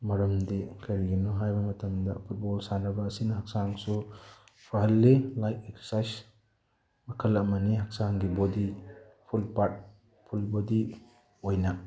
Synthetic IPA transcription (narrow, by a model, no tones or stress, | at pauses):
mɐɾɐmdikʰɐɾiɡinuɦajbɐmɐtɐmdɐ̰pʰut̚bɔlsanɐbɐːsinɐɦak̚saŋsu | pʰɾaɦɐlːilajkekssajs | mɐkʰɐlɐmɐniɦak̚saŋɡibodi | pʰulpat̚ | pʰulbodi | ojnɐ